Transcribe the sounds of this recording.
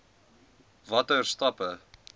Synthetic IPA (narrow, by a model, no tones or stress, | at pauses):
vɐtərstɐpə